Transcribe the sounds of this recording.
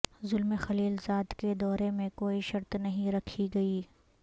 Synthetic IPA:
zʊlmexɐliːlzaːd̪ked̪ɔːɾemẽkoːiʃɐɾt̪nɐɦĩɾɐkʰiɡɐiː

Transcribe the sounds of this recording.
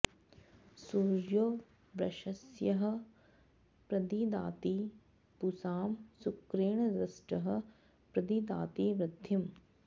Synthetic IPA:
suːɾjoː | bɾɐ̰ʃɐsjɐɦɐ̆ | pɾɐd̪id̪a̰ːt̪iː | pusaːmsukɾeːɳɐdɐsʈɐɦɐ̆ | pɾɐd̪id̪a̰ːt̪iːʋɾɪd̪ʱjɐm

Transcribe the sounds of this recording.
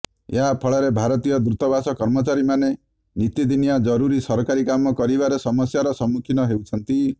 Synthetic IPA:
ḛɦapʰɔɭɔɾebʱaɾɔt̪ijɔd̪ɾut̪ɔbasɔkɔɾmɔt͡ʃaɾimane | nit̪id̪inijad͡ʒɔɾuɾisɔɾɔkaɾikamɔkɔɾibaɾesɔmɔsjaɾɔsɔmːukʰinɔɦewt͡ʃʰɔnt̪i

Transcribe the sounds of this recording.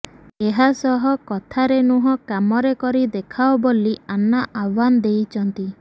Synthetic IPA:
eɦasɔɦɔkɔt̪ʰaɾenuɦɔkamɔɾekɔɾid̪ekʰaɔbolianaʔawband̪ejt͡ʃʰɔnt̪i

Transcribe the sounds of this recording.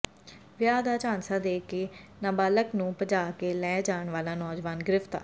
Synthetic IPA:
ʋɪjaːd̪aːt͡ʃãːnsaːd̪eːkeːnaːbaːləknũːpəd͡ʒaːkeːlɛːd͡ʒaːɳʋaːlaːnɔːd͡ʒʋaːnɡɪɾɪft̪a̰ː

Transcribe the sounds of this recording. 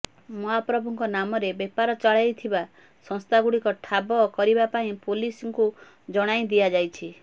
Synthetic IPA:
mɔɦapɾɔbʱuŋkɔnamɔɾebepaɾɔt͡ʃaɭajt̪ʰiba | sɔ̃ŋst̪ʰaɡuɽikɔʈʰabɔkɔɾibapaĩpolisɔŋku | d͡ʒɔɽ̃aĩd̪iad͡ʒajt͡ʃʰi

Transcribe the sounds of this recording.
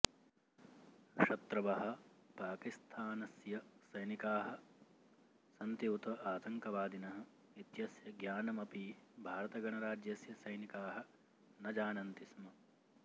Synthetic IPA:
ʃɐt̪ɾɐʋɐɦɐ̆paːkist̪ʰaːnɐsjɐsɐjnikaːɦɐ̆ | sɐnt̪jiwt̪ɐʔaːt̪ɐŋkɐʋaːd̪inɐɦɐ̆ | it̪jɐsjɐɡjaːnɐmɐpibʱaːɾɐt̪ɐɡɐɳɐɾaːd͡ʒjɐsjɐsɐjnikaːɦɐ̆ | nɐd͡ʒaːnɐnt̪ismɐ

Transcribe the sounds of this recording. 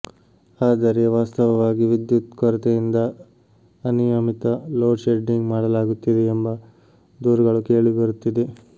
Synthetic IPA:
aːd̪ɐɾeʋaːst̪ɐʋɐʋaːɡiʋid̪jut̪kɔɾɐt̪ejind̪ɐ | ɐnijɐmit̪ɐloːʃeɖːiŋɡmaːɽɐlaːɡut̪ːid̪eːmbɐ | d̪uːɾɐɡɐɭuke̞ːɭibɐɾut̪ːid̪e

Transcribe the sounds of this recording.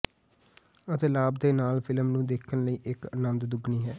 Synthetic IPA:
ət̪eːlaːbd̪eːnaːlpʰɪləmnũːd̪eːkʰənləiːʔɪkənənd̪d̪ʊɡniːɦɛː

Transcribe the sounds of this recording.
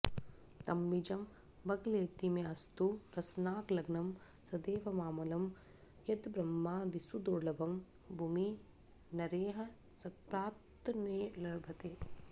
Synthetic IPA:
t̪ɐmːid͡ʒɐm | bɐɡleːt̪imeɐst̪uɾɐsnaːklɐɡnɐm | sɐd̪eːʋɐmaːmɐlɐm | jɐd̪bɾɐmːaːd̪isud̪oɾlɐbɐm | bʱuːmi | nɐɾeːɦɐ | sɐpɾaːtt̪ːɐneːlɐɾbʱɐt̪eː

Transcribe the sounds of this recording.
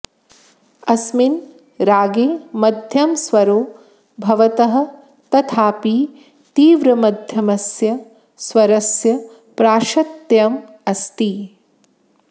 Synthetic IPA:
ɐsmin | ɾaːɡeːmɐd̪ʱjɐmsʋɐɾoː | bʱɐʋɐt̪ɐɦɐ̆ | t̪ɐt̪ʰaːpiː | t̪iːʋɾɐmɐd̪ʱjɐmɐsjɐ | sʋɐɾɐsjɐ | pɾaːʃɐt̪jɐm | ɐst̪i

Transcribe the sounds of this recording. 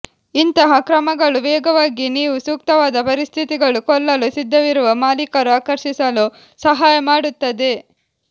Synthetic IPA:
int̪ɐɦɐkɾɐmɐɡɐɭuʋɛːɡɐʋaːɡiniːʋusuːk̚t̪ɐʋaːd̪ɐpɐɾist̪ʰit̪iɡɐɭukɔlːɐlusid̪ʱːɐʋiɾuʋɐmaːlikɐɾuaːkɐɾʃisɐlu | sɐɦaːjɐmaːɽut̪ːɐd̪e̞

